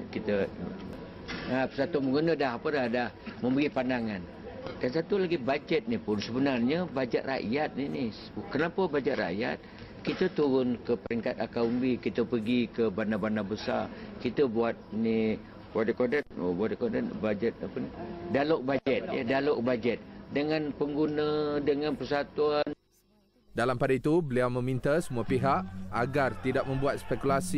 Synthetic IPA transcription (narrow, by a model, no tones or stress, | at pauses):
kit̪ə | apə̥sat̪ʊməŋɡunədaɦapədadahməmbəɡipandaŋan | dansat̪ulaɡibad͡ʒɛt̪̚nipʊnsəbənarɲəbad͡ʒɛt̪̚ra̰ʔjat̪̚nini | kənapəbad͡ʒɛt̪̚ra̰ʔja̰t̪̚ | kit̪ət̪uɾʊnkəpəɾiŋkat̪akaumbikit̪əpəɡikəbanabanabəsa̰rkit̪əbuat̪̚ni | bat̪̚əkodat̪̚buat̪̚ekodat̪bad͡ʒɛt̪̚a̰pənidaloʔk̚bad͡ʒɛt̪̚ja̰dalok̚bad͡ʒɛt̪̚dəŋanpəŋɡunədəŋãnpəsat̪uan | dalampadait̪ubəliawmə̃mĩnt̪asəmuapiɦaʔaɡart̪idak̚mə̃mbuat̪̚spɛkulasi